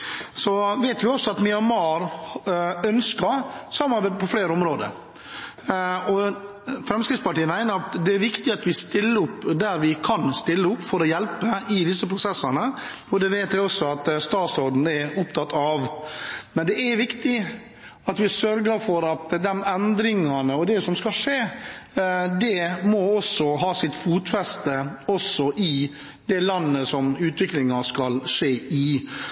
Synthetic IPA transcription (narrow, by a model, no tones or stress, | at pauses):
sɔʋeɪt̪ʋɪɔsːɔɑt̪mɪɑmɑɾ | œnskɑɾsɑmːɑʋəpʰɔfleːɾəʊmɾoːd̪ə̰ɾ | ɔ | fɾɛmskɾɪtspɑʈiːənmæɪnəɾɑt̪d̪ɛæɾʋɪkt̪ɪɑt̪ʋɪst̪ɪlːəʊpːd̪æɾʋɪkʰɑnst̪ɪlːəʊpːfɔɾɔjɛlpəɪd̪ɪsːəpʰɾʊsɛsːənə | ɔd̪ɛʋeɪt̪ʋɪɔsːɔɑt̪st̪ɑːt̪sɔd̪n̩ɛɾʊpt̪ʰɑt̪ːɑʋmɛnd̪ɛæɾʋɪkt̪ɪ | ɑt̪ʋɪsœɾɡəɾfɔɾɑt̪d̪ɛnɛnd̪ɾɪŋɑnəɔd̪ɛsɔmskɑlʂeː | d̪ɛmɔɔsːɔɦɑːsɪt̪fuːt̪fɛst̪əɔsːɔʔɪ | d̪ɛlɑnːəsɔmʉːt̪ʋɪklɪŋɑskɑlʂeːɪ